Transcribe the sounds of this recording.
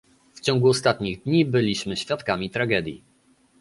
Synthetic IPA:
ft͡ɕɔ̃ŋɡuɔst̪at̪ɲiɣd̪ɲibɘlʲiɕmɘɕfʲjat̪kamʲit̪ɾaɡɛd̪ʲjḭ

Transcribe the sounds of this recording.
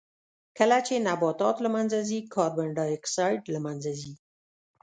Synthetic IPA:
kəlat͡ʃenabɑt̪ɑt̪lamanzazikʰɑɾbaɳɖɑɪksɑjɖlamanzazi

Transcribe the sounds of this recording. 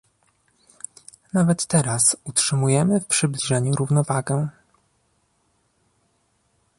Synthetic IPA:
navɛt̪ːɛɾasutʂɘmujɛmɘfpʂɘblʲiʐɛɲuɾuvnɔvaɡɛ

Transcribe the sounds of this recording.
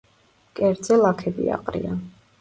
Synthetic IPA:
kʼɛɾd̪zɛlˠakʰɛbḭa̰qʼɾḭan

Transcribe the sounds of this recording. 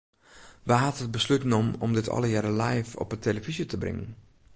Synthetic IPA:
ʋaɦatət̚bəslytnɔmɔmdɪtʰɔ̰lˠəjɛɾəlajfɔ̰pətʰeləvizjətʰəbrɪ̰ŋən

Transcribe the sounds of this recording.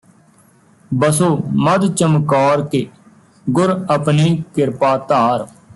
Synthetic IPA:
bəsoːməd̪t͡ʃəmkɔːɾke | ɡʊɾəpniːkɪɾpaːt̪aːɾ

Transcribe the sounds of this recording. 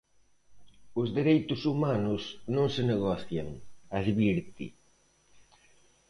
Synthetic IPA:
ʊzðeɾejt̪ʊsumanʊsnõŋsɪneɣ̞ɔθjaŋaðβiɾt̪ḭ

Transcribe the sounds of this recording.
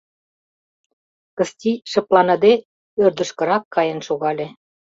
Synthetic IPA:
kə̆st̪ʲiʃə̆plɑnɤ̆d̪e | ørd̪ə̆ʃkə̆ɾɑkːɑjə̆nʃoɣɑlʲe

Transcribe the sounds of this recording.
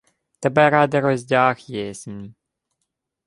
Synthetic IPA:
t̪ɛbɛɾɑd̪ɪɾɔzʲdʲɑxjɛsʲmʲ

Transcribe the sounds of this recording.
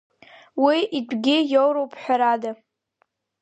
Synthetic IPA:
wiʔidʷɡʲɪjowɾowpʰʼħʷᶣaɾada

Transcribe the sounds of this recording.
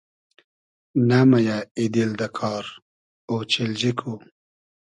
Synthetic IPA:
namajaid̪ild̪akʰɑːɾ | ot͡ʃild͡ʑikʰu

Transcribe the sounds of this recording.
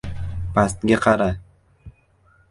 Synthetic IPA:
past̪ɡʲaqʰɑɾa

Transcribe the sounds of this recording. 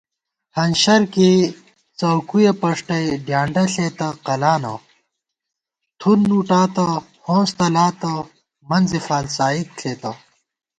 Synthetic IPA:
hɐnɕɐɾke | t͡sɐwkujepɐʂʈɐjɖjaːɳɖɐɬeːt̪ɐqɐlaːnɐ̰ | t̪ʰunːuːʈaːt̪ɐ | hõːst̪ɐlaːt̪ɐ | mɐnzefaːlsaːit̪̚ɬʰeːt̪ɐ

